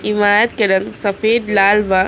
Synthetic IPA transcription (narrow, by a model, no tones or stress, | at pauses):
ɪmaːjɐt̪keɾɐŋsɐfeːd̪laːlʋa